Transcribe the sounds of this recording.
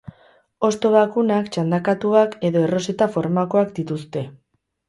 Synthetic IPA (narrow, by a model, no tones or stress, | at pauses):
o̞st̪o̞βakunakt͡ʃand̪akat̪uake̞ðo̞ero̞se̞t̪afo̞ɾmako̞akd̪it̪ust̪e̞